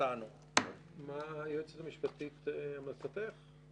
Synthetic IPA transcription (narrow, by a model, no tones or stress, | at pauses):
anu | majot͡setamiʃpat̪it̪amlasapeχ